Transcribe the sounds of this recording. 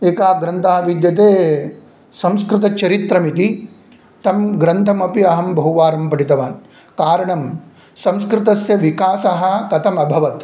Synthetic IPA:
eːkaːɡɾɐnt̪ʰaːʋid̪jɐt̪̬eː | sɐ̃mskɾɪt̪ɐt͡ʃɐɾit̪ɾɐmit̪i | t̪ɐmɡɾɐnt̪ʰɐmɐpiɐɦɐmbʱɐuʋaːɾɐmpɐʈit̪ɐʋaːn | kaːɾɐɳɐm | sɐ̃mskɾɪt̪ɐsjɐʋikaːsɐɦɐ̆kɐt̪ʰɐmɐbʱɐʋɐt̪

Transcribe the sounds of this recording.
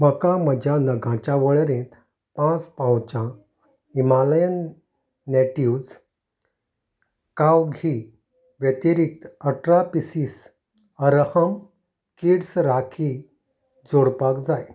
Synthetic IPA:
məkam̤əd͡ʑʱjanəɡʱãt͡ɕaʋəɭɾẽt̪ | pãt͡spãwt͡ɕã | imaləjənː | ɛʈiud͡z | kawɡʱi | ʋjet̪iɾik̚t̪əʈɾapisis | əɾhəm | kiɽsɾakʰi | d͡zoɽpakd͡zaj

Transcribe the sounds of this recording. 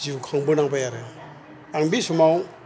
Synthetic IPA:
ziukʰaŋbɯnaŋpajaɾe | aŋbisumaw

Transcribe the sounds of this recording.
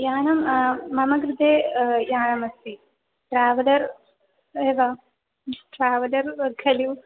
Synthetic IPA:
jaːnɐmːɐmɐɡɾɪd̪ʱeːjaːnɐmɐst̪i | ʈɾaːʋɐlɐɾ | eːʋaː | ʈɾaːʋɐlɐɾkʰɐliw

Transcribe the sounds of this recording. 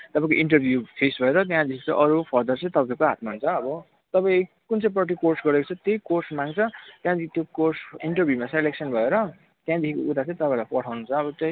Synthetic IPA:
t̪ʌpãĩkoiɳʈʌrbʱjupʰesbʱʌeɾʌt̪jãd̪ekʰit͡sʌʔʌɾupʰʌɾd̪ʌrt͡sʌĩt̪ʌpãĩkoɦat̪̚maɦunt͡sʰʌːbʌ | t̪ʌpãĩ | kunt͡sʌ̃ĩprʌʈ̪ikorsɡʌɾekot͡sʰʌt̪ʌjkorsmaŋt͡sʰʌt̪jãd̪t̪jokorsiɳʈʌrbʱjumaseleksʌnbʱʌeɾʌ | t̪jãd̪ekʰikout̪at͡sãĩt̪ʌpãĩlapʌʈʰawnut͡sʰʌːbʌt̪jʌ

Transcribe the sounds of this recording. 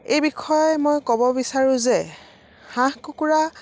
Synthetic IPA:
ejbikʰɔjmojkɔbɔbisaɹʊ̃zɛ | hãhkukuɹa

